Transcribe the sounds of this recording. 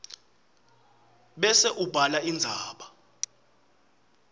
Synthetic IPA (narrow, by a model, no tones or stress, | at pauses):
ɓɛsɛʔub̥ʱalaind͡zʱaːɓa